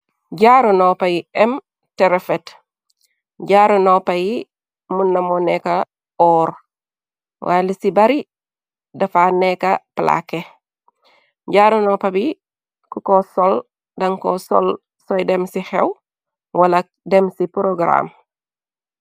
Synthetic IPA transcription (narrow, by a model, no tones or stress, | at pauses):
ɟaɾunɔpɐjiɛm | tɛɾefɛt | ɟaːɾunɔpɐji | munːɐmɔnɛkɐ | ɔɾ | wʔaːlisibɐɾi | dɐfanɛkɐpla̰ke | ɟaɾunɔpɐbi | kukɔsɔl | dɐŋkɔsɔ̰l | sɔjdɛmsixɛ̰w | wɐlɐ | dɛmsipɾoɡɾa̰m